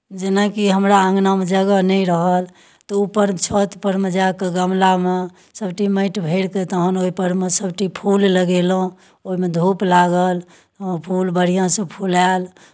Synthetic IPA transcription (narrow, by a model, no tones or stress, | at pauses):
d͡ʒenakiɦəmɾaə̃ŋɡnamẽd͡ʒəɡənɛiɾəɦəl | t̪ɔupːəɾt͡ʃʰot̪pəɾmed͡ʒakeɡəmlame | səbʈimə̃ɪʈbʱeɽket̪əɦənoipəɾmesəbʈipʰulləɡelõ | oɦimed̪ʱuplaɡəl | pʰulbəɽ̤ijãsẽpʰulal